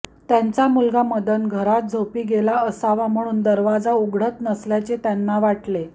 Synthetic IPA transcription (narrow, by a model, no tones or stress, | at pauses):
t̪jant͡samulɡaməd̪ənɡʱəɾat̪̚d͡zʱəwpiːɡelaəsaʋam̤əɽ̃uːnd̪əɾʋad͡zauɡɽət̪nəsljat͡set̪janːaʋaʈle